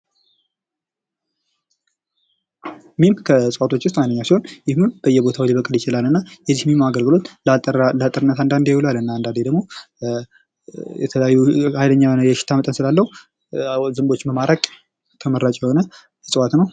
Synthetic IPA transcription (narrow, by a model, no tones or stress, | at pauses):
mimkʰəsʼɨwat̪ʰo̞t͡ʃːwʊs̬t̪majnːəɲːawsiho̞njɪhmimb̥əjːɛbo̞t̪ʰawiliβəkʼɨljɪt͡ʃɪlalɨnːajɛzihmimaɡəlɡɨlo̞t̪llat̪ʼːəɾɨnːət̪and̪and̪jɛwulalɨnːand̪and̪ed̪əɡmo̞ | jɛt̪ʰəljajːuajdəɲːawnjɛʃɪ̥t̪ʰamət̪ʼənsɨlalːəhu | zɨmbo̞t͡ʃːməmaɾʔakʼ | t̪ʰəməɾːat͡ʃʼjɛho̞nə | sʼɨwat̪nəw